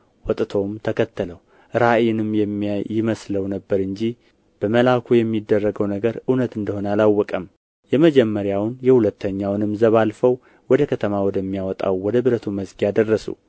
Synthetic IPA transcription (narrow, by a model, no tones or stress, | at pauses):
wɔt̪ʼt̪ʰo̞mt̪ʰəkʰət̪ːələw | ɾaʔjɪnɨmjɛmːijɪməsləwnəbːəɾɨɲd͡ʒi | b̥əməlakʰujɛmːid̪ːərːəɡəwnəɡəɾɨnət̪ɨnd̪əho̞nəalawːɔkʼəm | jɛməd͡ʒɛmːəɾjawnjɛhulət̪ːəɲːawnɨmzəβalfəw | wɔd̪əkʰət̪ʰəmawɔd̪əmːijawɔt̪ʼa̰wwɔd̪əbɨɾət̪ʰuməsɡijad̪ərːəsṵ